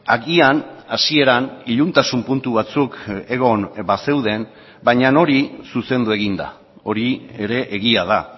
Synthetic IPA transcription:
aɣianasie̞ɾaniʎunt̪asumpunt̪uβat͡suke̞ɣ̞o̞nbase̞wð̞e̞n | bajɲano̞ɾisuse̞nd̪ue̞ɣind̪a̰ | o̞ɾie̞ɾe̞ʔeɣiað̞a

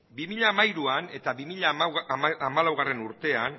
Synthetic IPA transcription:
bimiʎaːmaiɾuane̞t̪aβimiʎa | amalawɣ̞are̞nuɾt̪e̞an

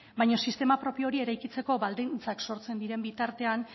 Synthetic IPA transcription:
bajɲo̞sist̪e̞mapɾo̞pio̞ɾie̞ɾajkit͡se̞ko̞βald̪int͡sakso̞ɾt͡se̞nd̪iɾe̞mbit̪aɾt̪e̞an

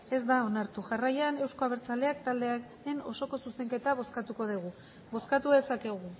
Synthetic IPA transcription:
e̞zd̪ao̞naɾt̪uʝarajane̞wsko̞aβ̞e̞ɾt͡sale̞ak̚t̪ald̪e̞aɾe̞no̞so̞ko̞suse̞ŋke̞t̪aβo̞skat̪uko̞ð̞iɣ̞u | βo̞skat̪uðe̞sake̞ɣ̞u

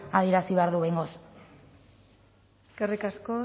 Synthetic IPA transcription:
að̞ie̞ɾasiβeaɾðuβejŋɡo̞s | skerikasko

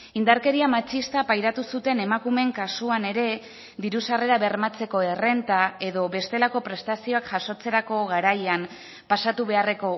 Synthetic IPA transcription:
ind̪aɾke̞ɾiamat͡ʃist̪apajɾat̪usut̪e̞ne̞makume̞ŋkasuane̞ɾe̞ | ðiɾusare̞ɾaβe̞rmat͡se̞ko̞e̞re̞nt̪ae̞ðo̞βe̞st̪e̞lako̞pɾe̞st̪asio̞akʝaso̞t͡se̞ɾako̞ɣaɾajam | pasat̪uβe̞are̞ko̞

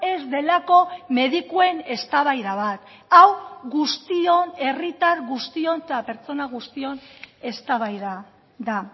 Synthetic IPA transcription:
e̞zd̪e̞lako̞me̞ðikue̞ne̞st̪aβajðaβat̪ | awɣust̪io̞ne̞rit̪aɾɣust̪io̞net̪ape̞ɾt͡so̞naɣ̞ust̪io̞ne̞st̪aβajða | ða

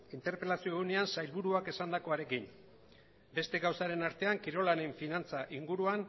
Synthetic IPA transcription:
int̪e̞ɾpe̞lasioɣune̞ansajlβuɾuake̞sand̪ako̞aɾe̞kin | be̞st̪e̞ɣawsaɾe̞naɾt̪e̞aŋkiɾo̞laneɱfinant͡saʔiŋɡuɾuan

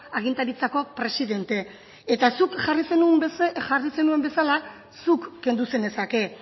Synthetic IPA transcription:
aɣ̞int̪aɾit͡sako̞pɾe̞siðe̞nt̪e | et̪asukʝarisenusʝarise̞nue̞mbe̞sala | sukːe̞nd̪use̞ne̞sake̞

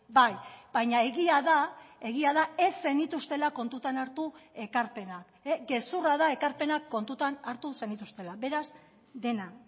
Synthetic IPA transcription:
bajbaɲae̞ɣiaðae̞ɣ̞iaðae̞se̞nit̪ust̪e̞lako̞nt̪ut̪anaɾt̪ue̞kaɾpe̞nak | eɡe̞suraðae̞kaɾpe̞nakːo̞nt̪ut̪anaɾt̪usenit̪ust̪e̞laβe̞ɾaz | d̪e̞na

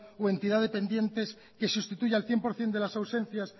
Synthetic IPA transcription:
oe̞nt̪iðaðepe̞nd̪je̞nt̪e̞s | ke̞sust̪it̪uʝealθje̞mpo̞ɾθjend̪e̞lasawsẽ̞n̟θjas

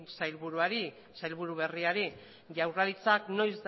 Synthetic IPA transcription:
sajlβuɾuaɾi | sajlβuɾuβ̞e̞riaɾi | ʝawraðit͡sakno̞jzd̪

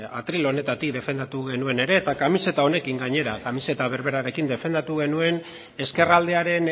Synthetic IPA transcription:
a̰t̪ɾilo̞ne̞t̪at̪ik̚d̪e̞fe̞nd̪at̪uɣe̞nue̞ne̞ɾe̞ːt̪akamise̞t̪ao̞ne̞kiŋɡaɲe̞ɾakamise̞t̪aβ̞e̞ɾβe̞ɾaɾe̞kind̪e̞fe̞nd̪at̪uɣ̞e̞nue̞n | e̞ske̞rald̪e̞aɾe̞n

